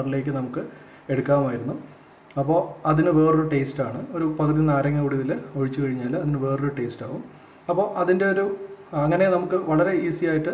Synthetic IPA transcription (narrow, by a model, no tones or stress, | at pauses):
ɐrile̞ːk̬ʲːɨnɐmukːɨ | e̞ɽukːaːmaːjiɾunːu | ɐpːo̞ːɐðinɨʋe̞ːroɾuʈe̞ːstaːɳɨo̞ɾupɐðɐɾinːaːɾɐŋːɐkuɽiʋiloɻit͡ɕːɨkɐɻiɲːaːlɐðinɨʋe̞ːroɾuʈe̞ːstaːʋum | ɐpːo̞ːʔɐðinde̞o̞ɾuɐŋːɐnenɐmukːɨʋɐɭɐɾe̞iːsijaːjiʈːɨ